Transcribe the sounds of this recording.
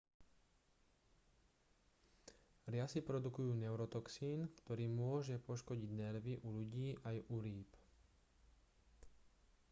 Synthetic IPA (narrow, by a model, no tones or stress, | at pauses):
ɾɪasipɾɔd̪ukujuːnɛʊɾɔt̪ɔksiːnkt̪ɔɾiːmʊɔʒɛpɔʃkɔɟiɟnɛɾʋiʔuʎuɟiːʔajuɾiːp